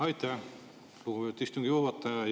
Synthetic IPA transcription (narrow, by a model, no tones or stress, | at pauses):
ɑjt̪æ | luɡut̪ist̪uŋɡ̥ijuːvɑt̪ːɑɑ